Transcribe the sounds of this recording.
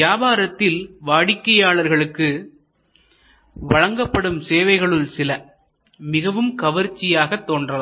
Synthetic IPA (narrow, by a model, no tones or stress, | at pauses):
jaːbaːɾɐt̪ːɪlʋaːɽɪkːɐjaːɭɐɾɣɐɭɯkːɯ | ʋɐɻɐŋɡɐpːɐɽɯmseːʋɐɪɣɐɭɯlsɪlɐ | mɪɣɐʋɯmkɐʋɐɾt͡ʃːɪjaːɣɐt̪ːoːndrɐɐ